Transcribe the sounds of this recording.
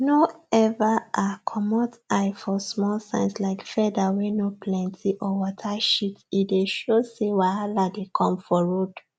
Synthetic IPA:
noɛvaʔakʰɔmɔtaɪfɔsmɔlsã̰ɪ̃nslaɪkfɛdawɛnoplɛ̃ntʰiʔɔwɔtʰaʃitideʃosewahaladekʰɔ̃mfɔɹod

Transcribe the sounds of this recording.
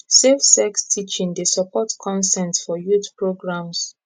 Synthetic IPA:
sefsɛkstʰit͡ʃĩŋdesɔpʰɔtkʰɔ̃nsɛ̃ntsfɔjutpɹoɡɹãms

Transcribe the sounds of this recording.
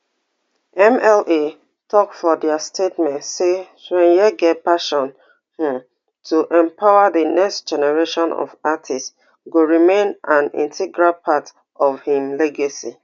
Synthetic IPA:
ɛ̃mɛle | tʰɔk̚fɔdɛastʰetmɛ̃ntseswɛ̃njɛɡɛt̚paʃɔ̃n | hĩm | tʰuʔɛ̃mpʰaʊaðənɛkstd͡ʒɛnɛɹeʃɔ̃nɔ̰vatʰist | ɡoɹimẽnʔãnḭ̃ntʰɛɡɹalpʰat | ɔvhĩmlɛɡasi

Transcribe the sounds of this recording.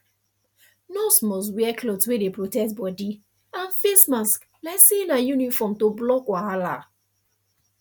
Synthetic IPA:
nɔsmɔs̬wɛɛkloswedepɹotɛtbɔdi | ãnfesmask | lasinajunifɔmtoblɔkwaɦala

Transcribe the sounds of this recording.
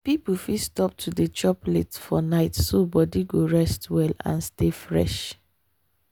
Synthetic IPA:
pipufistɔp̚tʰudet͡ʃɔplḛtfɔnaɪtsobɔdiɡoɹɛstwɛlã̰nstefɹɛ̰ʃ

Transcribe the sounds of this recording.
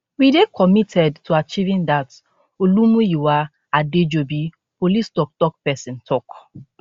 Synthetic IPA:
widekʰɔmitʰɛdtʰuat͡ʃivĩndat | olumujuwa | aded͡ʒobi | polistɔk̚tɔk̚pɛsĩntʰɔk

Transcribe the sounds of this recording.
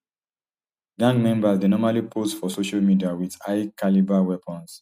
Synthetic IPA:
ɡãŋɡmɛ̃mbasdenɔmalipʰostfɔsoʃalmidiawiðaɪkalibawɛpʰɔ̃ns

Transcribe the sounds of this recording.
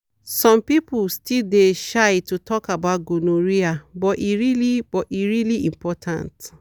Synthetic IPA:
sɔ̃mpipustildeʃajtutɔkabaʊt̚ɡonoɹiabɔtiɹilibɔiɹiliĩmpɔtʰã̰nt

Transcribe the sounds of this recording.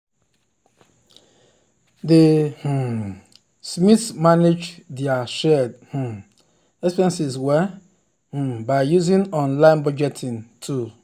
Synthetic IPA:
deh̩ | smiθmaned͡ʒdiaʃɛdh̩ | ɛspɛ̃nsizwɛ | h̩baɪjuzĩnɔ̃nlãɪ̃nbɔd͡ʒɛtʰĩntʰu

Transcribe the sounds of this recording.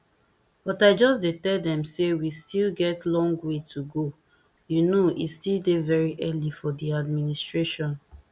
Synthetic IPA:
b̥ɔtaɪd͡ʒɔsdetɛdɛ̃msewistilɡɛtlɔ̃ŋɡwetʰuɡo | junoistildevɛɹiʔɛlifɔdiadministɹeʃɔ̃n

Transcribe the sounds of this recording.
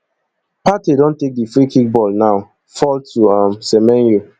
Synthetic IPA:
patedɔ̃ntek̚difɹikik̚bɔlnaʊ | fɔltuãmsɛmɛ̃njo

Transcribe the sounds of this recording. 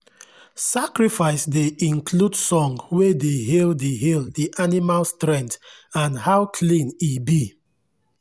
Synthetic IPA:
sakɹifaɪsdeʔĩnkʰludsɔ̃ŋwedeɦildeɦilˠdiʔanimalstɹɛ̃nt | ãnhaʊkʰlĩnibi

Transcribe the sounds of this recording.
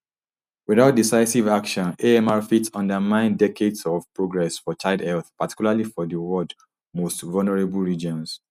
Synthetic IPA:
wiðaʊt̚disaɪsivakʃɔ̃neɛmaɹfitsɔ̃ndəmãɪ̃ndɛkʰedsɔvpɹoɡɹɛsfɔt͡ʃaɪdɛlθpati̥kulalifɔðəwɔd | mostvɔlnəɹebl̩ɹid͡ʒɔ̃ns

